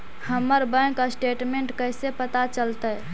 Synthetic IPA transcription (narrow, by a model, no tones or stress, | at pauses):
həmːəɾbə̃kasʈeʈmeɳʈkəjsepət̪at͡ʃəlt̪əj